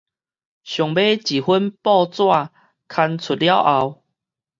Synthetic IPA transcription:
ɕjɔ˨˩ŋbe˦t͡ɕi˨˩hwu˦npɔ˥˧t͡swa˥˧ | kʰa˧nt͡sʰu˨˩t̚lja˦wʔa˧w

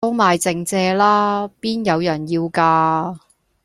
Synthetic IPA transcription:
o˥wmaː˨jt͡sɪ˨˧ŋt͡sɛː˧laː˥piː˥njɐ˨˧wjɐ˨˩njiː˧wkaː˧

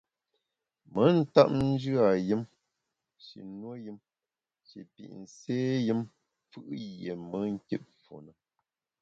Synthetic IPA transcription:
mə˨˦n̩˦ta˦p̚n̩˦d͡ʒʉ˦a˨jɨ˦m | ʃḭ˨nwo˦jɨ˦m | ʃḭ˨pḭ˨ʔn̩˨seː˦jɨ˦m | fɨ˦ʔje˨mə˨˦ŋ̩˦ki˦ʔ̚fo̰˨nə˨

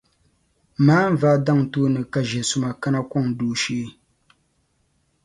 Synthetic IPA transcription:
maː˦m̩˦va˦˨da˦ŋtoː˦nɨ˨ka˨ʒɛ˨sʊ˦ma˨ka˦na˦kɔ˦˨ŋduː˨ʃeː˦

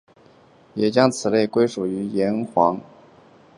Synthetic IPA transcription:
jɛ˨˩t͡ɕjɑ˥ŋt͡sʰɹ̩˨˩le˥˩ɪkwe˥ɪʂu˨˩y˧˥jɛ˧˥nxwɑ˧˥ŋ

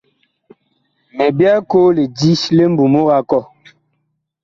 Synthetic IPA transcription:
me˨bja˦ko˦le˨di˦sle˦m̩˦bu˨mo˦ɣa˦kɔ˦˨

